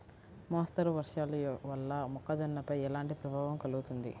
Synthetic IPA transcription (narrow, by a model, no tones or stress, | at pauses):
maːst̪ɐɾuʋɐɾʂaːluʋɐlːɐmɔkːɐd͡ʒɐnːɐpɐjɛlaːɳʈipɾɐbʱaːʋɐmkɐluɡut̪und̪ḭ